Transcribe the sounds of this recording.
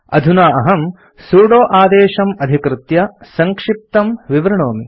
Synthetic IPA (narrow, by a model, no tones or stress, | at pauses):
ɐ̰d̪ʱunaːɐɦɐm | suːɽoːʔaːd̪eːʃɐmɐd̪ʱikɾɨt̪jɐsɐŋkʂip̚t̪ɐmʋiʋɾɐɳoːmi